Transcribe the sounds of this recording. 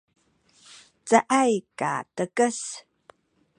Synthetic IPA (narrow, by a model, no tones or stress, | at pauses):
t͡səʔajka̰təkəs